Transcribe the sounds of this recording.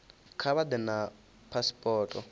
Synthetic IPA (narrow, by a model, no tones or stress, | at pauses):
kʰaβad̪ɛna | pʰaspʼɔːtʼɔ